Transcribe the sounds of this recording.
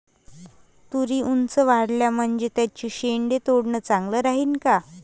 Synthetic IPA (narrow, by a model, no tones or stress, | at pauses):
t̪uɾiːʔunt͡səʋaɽljam̤əɳd͡zet̪jat͡ɕiːɕeɳɖet̪oɽɳət͡saŋɡləːɾaɦiːnka